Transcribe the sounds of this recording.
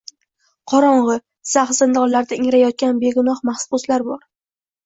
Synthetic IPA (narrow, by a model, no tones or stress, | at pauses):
qʰɒɾɒɴʁɨ | saχsɪnd̪ɒllːaɾd̪aɪŋɾajɒt̪̚kʲanbe̞ɡʊnɒχmahsʊslaɾbɒɾ